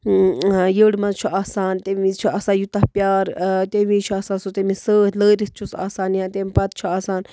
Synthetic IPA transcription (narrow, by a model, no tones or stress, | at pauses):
jəːɽmɐzt͡ʃʰuʔaːsaːnt̪eit͡ʃʰuasaːjut̪ɐhpjaːɾt̪eʋĩt͡ʃʰuaːsãːsot̪emisəːtləːɾis̚t͡ʃʰusa̰ːsaːnjãːt̪emipɐt̪̚t͡ʃʰuaːsaːn